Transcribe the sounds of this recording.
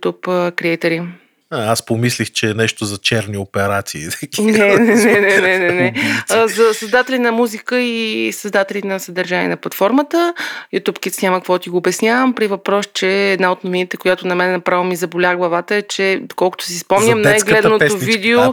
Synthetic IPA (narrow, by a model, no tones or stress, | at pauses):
t̪upkɾiɛjt̪ɛɾi | aaspomislixt͡ʃɛːnɛʃt̪ozɐt͡ʃɛɾniopɛɾat̪siːt̪ɐknɛnɛnɛnɛnɛnɛnɛzɐsɐzd̪at̪ɛlinɐmuzikəisɐzd̪at̪ɛlʲinɐsɐd̪ɐɾʒanḭɛ̰nɐplˠɐt̪fɔɾmət̪əjut̪upkit̪snʲaməkvɔt̪iɡoːbɛsnʲavəmpɾivɐpɾɔst͡ʃɛːd̪naot̪novinit̪ɛkʊjat̪ʊnɐmɛnɛnɐpɾavəmizɐbolʲaɡlˠɐvat̪əɛt͡ʃɛd̪okɔlˠkʊ̥t̪ʊ̥sispɔmnʲəmnajɡlɛd̪ɐnoovd̪ɛo